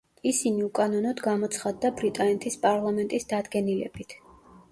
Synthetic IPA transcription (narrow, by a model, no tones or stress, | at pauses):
isiniukʼanɔnɔd̪ɡamɔt̪sʰχad̪ːabɾit̪ʼanɛt̪ʰispʼaɾlˠamɛnt̪ʼisd̪ad̪ɡɛnilɛ̰b̥it̪ʰ